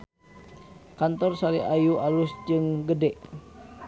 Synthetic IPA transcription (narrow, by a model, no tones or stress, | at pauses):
kant̪ɔrsaliajuʔalʊsd͡ʒɨŋɡədɛʔ